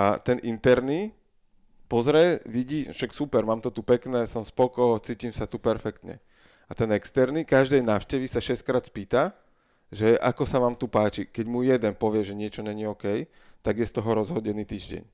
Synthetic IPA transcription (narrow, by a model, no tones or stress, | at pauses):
at̪ɛnʔint̪ɛɾniː | pɔzɾɛʋiɟiːfʃaksupɛɾmaːmt̪ɔt̪upɛknɛːsɔmspɔkɔjt͡siːcimsat̪upɛɾfɛkt̪ɲɛ̰ | at̪ɛnɛkst̪ɛɾniːkaʒd̪ɛjnaːʊʃcɛʋisaʃɛskɾaːt̪spiːt̪a | ʒɛʔa̰kɔsaʋaːmt̪upaːt͡ʃikɛɟmujɛd̪ɛnpɔʋɪɛʒɛɲɪɛt͡ʃɔɲɛɲiɔːkɛj | t̪aɡjɛst̪ɔɦɔɾɔzɦɔɟɛniːt̪iːʒɟɛ̰ɲ